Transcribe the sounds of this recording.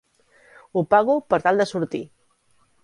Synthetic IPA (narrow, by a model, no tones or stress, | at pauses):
upaɣupəɾt̪alˠd̪əsuɾt̪ḭ